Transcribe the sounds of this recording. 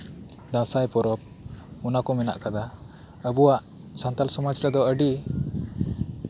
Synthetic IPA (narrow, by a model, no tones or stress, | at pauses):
d̪ãsajpɔɾɔp̚ | unakɔmɛna̰ʔkad̪a | əbuwaʔ | sãnt̪alsɔmɔd͡ʒɾad̪ɔəɖi